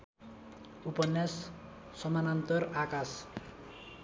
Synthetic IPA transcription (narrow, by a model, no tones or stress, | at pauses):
upʌnjasː | ʌmanant̪ʌrakas